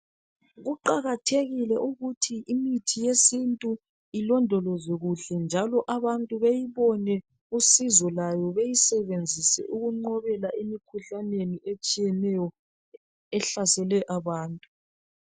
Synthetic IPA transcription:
ɣuǃaɣatʰeɣilɛʔuɣutʰiʔimitʰijesintʼu | ilɔndʱɔlɔzɛɣuɬɛnd͡ʒʱalɔʔaβantʼuβejiβɔnɛ | usizɔlajɔβejisɛβend͡zʱisɛ̰ʔuɣuŋ͡ǃɔβɛlaʔimikʰuɬaneniʔet͡ʃʼijɛnɛjɔ | ɛɬasɛlɛʔaβaːntʼu

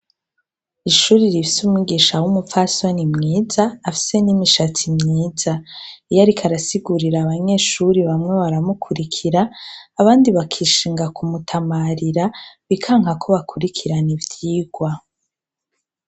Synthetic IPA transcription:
iʃuːɾiɾifi̥sumŋiɡiːʃawumupfaso̞nimŋiːzaːfi̥se̞nimiʃatimɲiːzaijaɾikʰaɾasiɡuɾiɾaːβaɲe̞ʃuɾiβamŋe̞βaɾamukʰuɾikʰiɾaːβaːndiβakʰiːʃiːŋɡakumutʰamaɾiɾaβikʰaːŋhakʰo̞βakʰuɾikʰiɾanivjiːɡwa

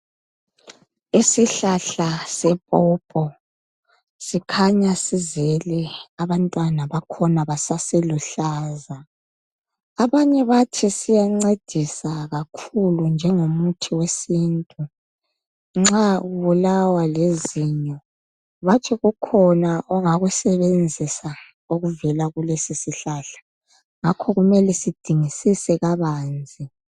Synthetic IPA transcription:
isiɬaɬasɛpʼɔpʼɔ | sikʰaɲasizɛlɛaβantʼwanaβakʰɔnaβasaseluɬaːza | aβaɲɛβatʰisijaŋ͡ǀed̥ʱisaɣakʰulund͡ʒʱɛŋomutʰiwesiːntʼu | ŋ͡ǁaɣuβulawaleziɲɔ | βat͡ʃʰɛɣukʰɔnaʔɔŋaɣusɛβend͡zʱisa | oɣuvɛlaɣulesisiɬaɬḁ | ŋakʰɔɣumɛlɛsid̥ʱiŋisisɛɣaβaːnd͡zʱi

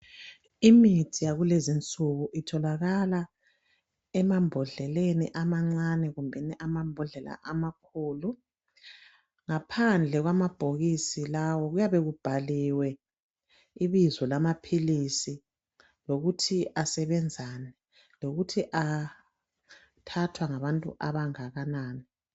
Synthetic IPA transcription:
imitʰijaɣulezint͡sʼuɣuʔitʰɔlaɣala | ɛmambʱɔɮɛlenḭʔamaŋ͡ǀanɛɣumbʱɛniʔamambʱɔɮɛla̰ʔamakʰuːlu | ŋapʰand͡ɮʱɛɣwamab̥ʱoɣisilawɔɣujaβeɣub̥ʱaliwɛ | iβizɔlamapʰilisi | loɣutʰiʔasɛβɛnd͡zʱaːnɛ | loɣutʰiʔa | tʰatʰwaŋaβantʼṵʔaβaŋaɣanaːni

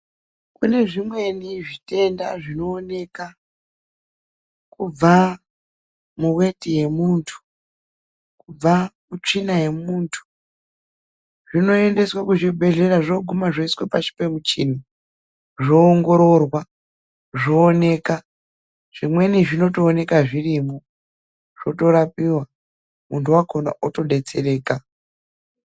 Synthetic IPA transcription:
kune̞ʐimwe̞niʐite̞nda̰ʐino̞ːne̞ka | kub͡va | muwe̞tije̞muntʰu̥ | kub͡vamut͡ʂinaje̞muːntʰu̥ | ʐ̥ino̞e̞nde̞swakuʐibʱe̞ɮe̞raʐoɡʱumaʐoiswopat͡ʃi̥pemut͡ʃini | ʐo̞ːŋɡo̞ɾo̞rwa | ʐoːne̞ːka | ʐ̥imwe̞niʐino̞toːne̞kaʐirimo | ʐ̥o̞to̞ɾapiwa | muntʰuwakona̰uto̞ɗe̞t͡sere̞ːka

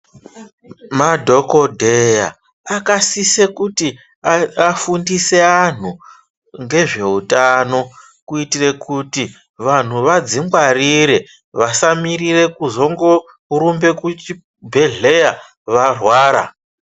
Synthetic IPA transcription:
madʱo̞ko̞dʱe̞ja̰ | akasisekuti | aafundise̞an̤u | ŋɡe̞ʐe̞utano̞ | kuitire̞kuti | ʋan̤uʋad͡ziŋɡwariɾe̞ | ʋasamirire̞kuzo̞ŋɡo̞ | uɾumbe̞kut͡ʃi | bʱe̞ɮe̞ja | ʋarwaːɾa̰

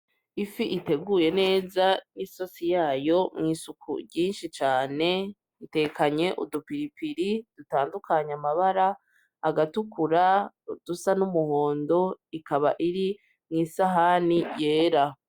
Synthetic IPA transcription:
ifiʔite̞ɡuje̞ne̞ːzaniso̞sijaːjo̞mŋiːsukʰṵɾɟiːnʃit͡ʃaːne̞ | ite̞kaɲe̞ʔṵdupiɾipiɾid̥utaːndukʰaɲamaβaɾaː | ɡatukuɾa | d̥usanumuho̞ːndo̞ikaβa̰ʔiɾi | mŋiːsaɦanije̞ːɾa

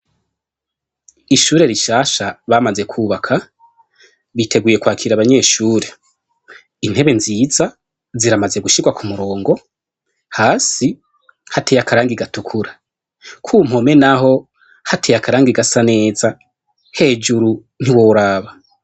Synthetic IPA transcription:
iʃuːɾe̞ɾiʃaːʃaβamaze̞kʰuːβakʰa | βitʰe̞ɡuje̞kwaːkʰiɾaβaɲe̞ːʃuːɾe | im̥he̞βe̞nziːza | ziɾamaze̞ɡuʃiɡwakʰumuɾo̞ːŋɡo̞ | haːsi | hatejakaɾaːŋɡiɡatukʰuɾa | kʰum̥ho̞me̞naɦo̞ | hatejakʰaɾaːŋɡiɡasane̞ːza | he̞ːd͡ʒuɾu | n̥iwoɾaːβa

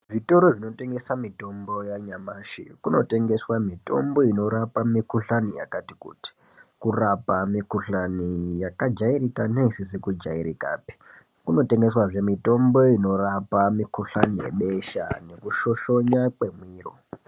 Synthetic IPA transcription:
ʐito̞ɾoʐino̞te̞ŋɡesamito̞mbo̞jaɲamaːʃḭkuno̞te̞ŋɡe̞swamito̞̰mbo̞ino̞ɾapamikuɬanija̰kati̥kṵti̥ | kurapamikuɬanijakad͡ʒairikanesisikud͡ʒa̰iɾika̰ːpi̥ | kuno̞te̞ŋɡe̞swaʐemito̞mbo̞ino̞rapamikuɬanije̞̰ɓeʃa̰ne̞kuʃo̞ʃo̞ɲak͡pe̞mwiːro̰

